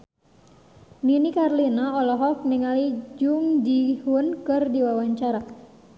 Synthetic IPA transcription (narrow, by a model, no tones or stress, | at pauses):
ninikarlinaɔlɔɦɔk̚niŋalid͡ʒuŋd͡ʒihunkɨrdiwawaɲt͡ʃaɾa